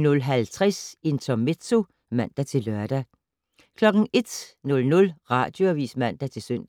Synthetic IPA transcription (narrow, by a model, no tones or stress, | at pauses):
nɔ̽lɦælt͡sʰʁɛse̝nt͡sʰɒmed̥so̝ | mæn̰d̥æt͡sʰe̝lœɐ̰d̥æ | kʰlɒ̽ɡ̥n̩e̝d̥nɔ̽lnɔ̽lʁɑ̰̈ːd̥jo̝æʋḭːsmæn̰d̥æt͡sʰe̝lsøn̰̥